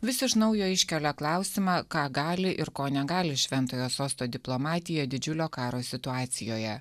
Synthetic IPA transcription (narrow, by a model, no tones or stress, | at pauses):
ʋʲɪsʲɪʃnɐʊjoːɪʃʲkʲɛlʲɛklˠɑˑʊsʲɪmɑːkɑːɡɑːlʲɪʔɪɾkoːnʲɛɡɑːlʲɪʃʲʋʲɛnt̪oːjoːsoːst̪oːd̪ʲɪplˠomɑːt̪ʲɪjɛd̪ʲɪd͡ʒʲʊlʲoːkɑːɾoːsʲɪt̪ʊɑːt̪sʲɪjoːjɛ